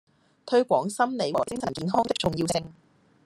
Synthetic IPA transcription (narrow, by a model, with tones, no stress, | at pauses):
t̪ʰɵ˧ɥkʷɔː˨˥ŋsɐ˥mne˨˧jwɔ̰ː˨˩kɪ˥ŋsʰɐ˨˩nkiː˨˧nɦɔː˥ŋt̪ɪ˥k̚t͡sʊ˨˩ŋjiː˧wsɪ˧ŋ